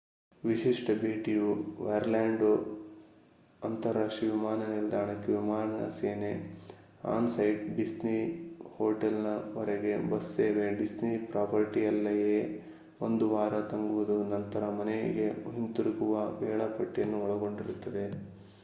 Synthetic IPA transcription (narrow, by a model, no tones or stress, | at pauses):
ʋiʃiʂʈɐbʱiːʈijuʋɐjɐɾlaːɳɖu | ɐnt̪ɐɾaːʂʈɾiʋimaːnɐniɾd̪ʱaːɳɐkːeʋimaːɾɳɐnɐ̰seːne | a̰ːnsɐjɖɖisnihoːʈɐlnɐʋɐɾeɡe̞bɐsːeːʋeɖisnipɾaːpʰɐɾʈijɐlːɐjeː | ond̪uʋaːɾɐt̪ɐŋɡuʋud̪unɐnt̪ɐɾɐmɐnej̰ɡe̞ɦint̪uɾiɡuʋɐbɛːɭɐpɐʈːijɐnːuɔɭɐɡo̞ɳɖiɾut̪ːɐd̪e̞